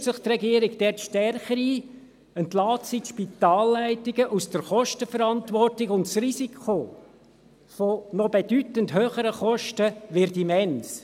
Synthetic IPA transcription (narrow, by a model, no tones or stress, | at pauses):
sɪχt̪rɛɡiəɾiɡd̥ɛtʃtɛrχəɾi | əntlɑːtsitʃpit̪ɑːlːæɪtɪɡəʔusd̥əɾχɔʃtəfəɾɑntʋɔrtɪɡʊntsrisikʰχo | fɔnɔbed̥ytəntɦøːχəɾəχɔʃtəʋɪɾdimɛns